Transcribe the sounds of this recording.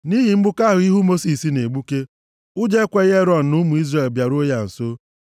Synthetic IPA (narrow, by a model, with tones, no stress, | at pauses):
ni˦ɦi˨m̩˦bʊ˦ka˦ɦʊ˨i˦ɦu˦mo˦si˨si˨ne˨ɡ͡bu˦ke˦ | ʊ˦d͡ʒe˦kʷe˦ɣe˦ɾɔ˨n̩˨nʊ˦mu˨i˦zre˨lbja˨ɾo˦ja˨n̩˨so˦